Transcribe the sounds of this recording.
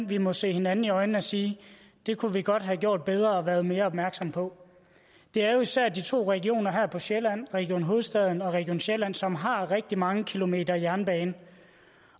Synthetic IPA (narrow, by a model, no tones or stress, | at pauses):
nʋimɒ̽se̝̰ːhe̝nænn̩iɒ̽ɪn̩æsiː | d̥e̝kʰuʋiɡ̥ɒ̽d̥ɦæɡ̥jo̝ɐ̰d̥̚b̥eð̞ˠʁɐɒ̽ʋæːɐð̞ˠme̝ːɐɒb̥̚mæɐɡ̥sɒ̽mpʰɒ̽ | d̥e̝æɐjo̝isæɐ̰d̥it͡sʰo̝̰ːʁɛɡ̥io̝̰ːnɐɦæɐpʰɒ̽ɕelæn̰ʁɛɡ̥io̝̰ːnɦo̝ːð̞̩ˠsd̥ɛðˠn̩ɒ̽ʁɛɡ̥io̝̰ːnɕelæn̰sɒ̽mɦɑ̈ʁɛɡ̥̚d̥imɑ̈ŋəkʰilo̝me̝̰ːd̥ɐijæɐnb̥ɛːnə